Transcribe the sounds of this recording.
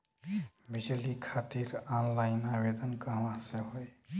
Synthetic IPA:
bid͡ʒlikʰat̪iɾanlaɪnabed̪ənkəɦʋãseɦoj

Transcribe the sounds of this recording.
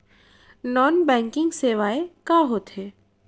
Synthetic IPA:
nɔːnbɛ̃ːŋkɪ̃ŋɡseːʋaːekaːɦoːt̪ɦeː

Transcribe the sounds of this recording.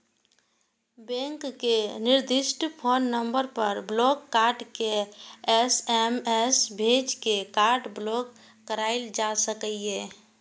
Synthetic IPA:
bɛ̃ŋkːenɪɾd̪ɪʃʈpʰonːəmbəɾpəɾblɔkːaɾɖkeɛsɛmɛsbʱed͡ʒkekaɾɖblɔkː | əɾaɪld͡ʒasəkəie

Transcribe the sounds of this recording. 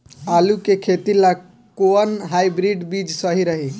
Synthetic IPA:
alukekʰet̪ila | koənɦajbɾiɖbid͡ʒsəɦiɾəɦi

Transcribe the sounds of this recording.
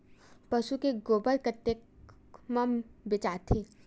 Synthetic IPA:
pɐʃukeɡoːbəlkət̪ːek | mãmbɪt͡ʃaːt̪ʰeː

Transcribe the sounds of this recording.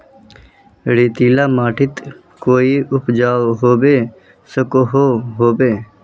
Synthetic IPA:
ɽiːt̪iːlaːmaːʈʰɪt̪ | koːiːʊpd͡ʒaːʋɦoːbeː | səkoɦoːɦoːbeː

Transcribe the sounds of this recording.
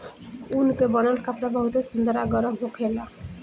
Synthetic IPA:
unkebɔnəlkapɾabəɦut̪esund̪əɾaɡɔɾəbɦokʰela

